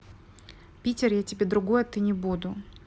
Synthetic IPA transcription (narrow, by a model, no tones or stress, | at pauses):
pʲitʲɪrjatʲɪbʲe̞d̪ɾʊɡo̞jɐt̪ɨnʲɪbud̪ʊ